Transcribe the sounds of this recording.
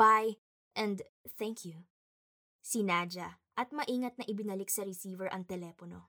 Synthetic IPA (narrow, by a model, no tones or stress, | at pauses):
baj | ʔɛ̃nd̪θɛŋkʰju | sɪnad͡ʒɐʔɐt̪̚mɐʔiːŋɐt̪̚nɐʔɪbɪnɐlɪk̚sɐɾɪsiːvɛɹʔɐŋt̪ɛlɛːpono̞̰